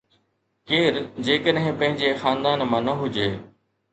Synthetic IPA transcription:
keːɾd͡ʑeːkəɗɦɪ̃pɐ̃ɦɪ̃ɲd͡ʑexaːnd̪aːnmãːnɐɦʊd͡ʑeː

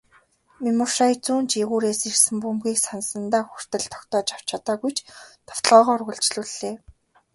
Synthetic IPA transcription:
mimʊrʃajt͡suːnt͡ɕiɣuːɾeːsirsɘ̆mpumɡiːksansə̆nt̪aːxur̥t̪ə̆ɮt̪ʰɔ̥kt̪ɔːt͡ɕaw̥t͡ɕat̪aːɣujt͡ɕt̪ʰɔ̥w̥t̪̆ɮʁɔːʁɔːrɣʊ̆ɬt͡ɕɮuːɮːeː

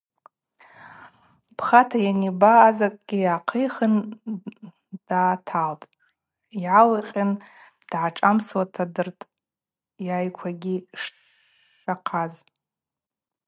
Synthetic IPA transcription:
pʰχatʰajanibaːzakʼɡʲijaqʰejχən | d̥aːtʰaltʼ | jʕalaqʲʼan | d̥ʕaʈ͡ʂʼamswatʰadɨrtʼ | jajkʷʰaɡʲiʂ | ʂaqʰaz

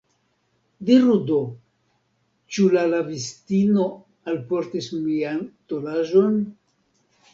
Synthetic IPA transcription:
diɾudo̞ | t͡ʃulalavistino̞ | alpo̞ɾtismiantolaʒo̞n

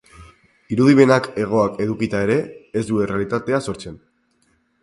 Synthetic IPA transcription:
iɾuðiβe̞nake̞ɣ̞o̞ake̞ðukit̪ae̞ɾe̞ːzd̪ue̞realit̪at̪e̞aso̞ɾt͡se̞n

